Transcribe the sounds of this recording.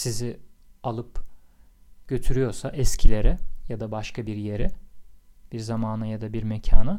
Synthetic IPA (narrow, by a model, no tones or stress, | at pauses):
sizɪalˠɯp | ɟ̥ø̞t̪ʰyɾyjo̞ɾsaʔɛscʰilʲe̞ɾɛjad̪abaʃkʰabiɾje̞ɾɪ | b̥iɾzamaːnɯjad̪abiɾmɛcʰaːnɯ